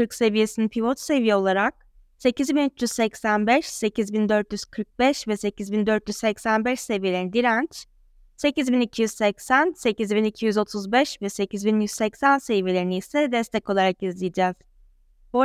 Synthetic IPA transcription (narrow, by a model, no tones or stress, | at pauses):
t̪ʰɯɾkse̞vije̞sinipʰivot͡ʃ̪se̞vijɛo̞lˠaɾak̚ | se̞cizbinyt͡ʃjyz̥sɛcsænbɛʃse̞cʰizbind̪ø̞ɾt̪jyz̥kʰɯɾk̚bɛʃvɛse̞cizbind̪øɾt̪jyzsɛcsænbɛʃse̞vije̞lʲenid̪iɾænt͡ʃ | se̞cizbinicʰijyz̥sɛcsænse̞cizbinicʰijyzo̞t̪ʰuzbɛʃvɛse̞cʰizbinjyz̥sɛcsænse̞vijelʲeiniisɛd̪ɛst̪ʰɛco̞lˠaɾakizlʲijd͡ʒɛz̥ | bu